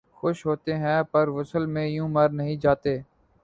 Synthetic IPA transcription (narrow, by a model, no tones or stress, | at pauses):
xʊʃɦoːt̪eːɦɛ̃ːpəɾʋʊsəlmẽːjũːməɾnəɦĩːd͡ʒaːt̪eː